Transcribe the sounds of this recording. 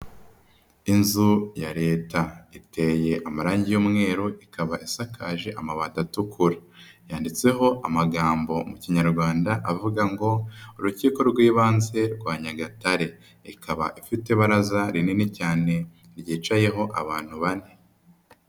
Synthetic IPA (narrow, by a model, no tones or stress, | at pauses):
inzujaɾe̞ːtaite̞je̞ʔamaɾaːɲɟijoːmŋe̞ːɾoʔikaβaʔisakʰaːʒeʔamaβaːtatukʰuɾa | jaːndit͡se̞ɦo̞ʔamaɡaːmbo̞muciɲaɾɡwaːndaʔavuɡaŋɡo̞uɾuciːko̞ɾɡwiːβaːnze̞ɾɡwaːɲaɡataɾe̞ | ikaβa̰ʔifite̞βaɾazaɾininicaːne̞ | ɾjiːt͡ʃaje̞ɦo̞ʔaβaːn̥huβane